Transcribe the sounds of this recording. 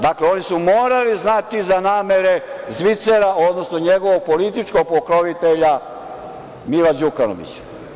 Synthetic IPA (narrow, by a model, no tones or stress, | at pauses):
d̪akleo̞nisumo̞ːɾaliznat̪izanaːme̞ɾe̞zʋit̪seɾao̞d̪nosno̞ɲeɡo̞ʋoɡ̚polit̪it͡ʃkoɡ̚pokɾoʋit̪eʎa | milad͡ʑukano̰ʋḭt͡ɕḁ